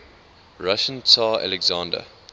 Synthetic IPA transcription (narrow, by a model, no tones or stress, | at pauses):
ɹaʃə̃ntʰaːa̰lɛɡzãːndə̰